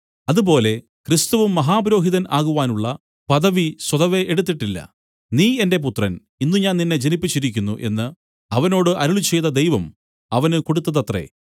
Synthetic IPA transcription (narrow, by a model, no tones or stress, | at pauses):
ɐðubo̞ːle̞ | krist̪ɐʋumːɐɦaːbɾo̞ːɦiðɐnaːɣuʋaːnuɭːɐ | pɐðɐʋiswɐðɐʋe̞ʔeɽut̪̬ːiʈːilːɐ̰ | niːe̞nde̞p̬ut̪rɐn | inːuɲaːnninːe̞d͡ʑenipːit͡ɕːiɾikʲːunːuʔe̞̰nːɨ | ɐʋɐno̞ːɽɨʔɐɾuɭut͡ɕe̞jt̪ːɐd̪e̞jʋɐm | ɐʋɐnɨkoɽut̪ːɐðɐt̪rḛ